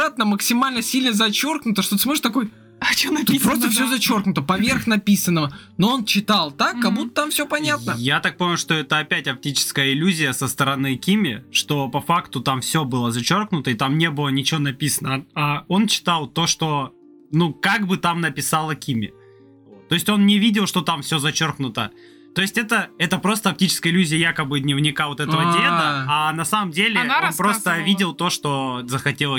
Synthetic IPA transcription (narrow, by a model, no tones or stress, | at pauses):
at̪nəməksʲɪmalʲnəsʲilʲnəzɐt͡ɕo̞rknʊt̪əʂt̪oɨsmoɪt̪ɐko̞j | t͡ɕonɐpɾost̪əfsɪozɐt͡ɕo̞rknʊt̪əpɐvʲe̞rxnɐpʲisənːəvənoo̞nt͡ɕɪt̪alˠt̪akːɐbut̪ːət̪amfsʲopɐnʲat̪nəjat̪ak̚pomʲʊʂt̪o̞ɛt̪əɐpʲætʲɐp̚tʲit͡ɕɪ̥skəjəɪlʲuzʲɪjəsəst̪əɾɐnɨkʲimʲɪʂt̪o̞pɐfakt̪ʊt̪amfsʲɵbɨlˠəzɐt͡ɕo̞rknʊt̪əɪt̪amnʲe̞bɨlˠənʲɪt͡ɕɪonɐpʲisənəao̞nt͡ɕɪ̥t̪alˠt̪o̞ʂt̪o̞ | nukaɡbɨt̪amnəpʲɪsalˠəkʲimʲɪ̰ | t̪o̞ɪsʲtʲo̞nnʲɪvʲidʲɪlˠʂt̪o̞t̪amfsʲozɐt͡ɕo̞rknʊt̪ə | t̪o̞jɪsʲtʲɛt̪əɛt̪əpɾo̞st̪əɐp̚tʲit͡ɕɪ̥skəjɪlʲuzʲɪjəjakəbɨd̪nʲɪvnʲɪkavo̞t̪ɛt̪əvədʲed̪əanɐsaməmdʲelʲɪo̞npɾost̪əvʲidʲɪlˠt̪o̞ʂt̪o̞zəxɐtʲelˠə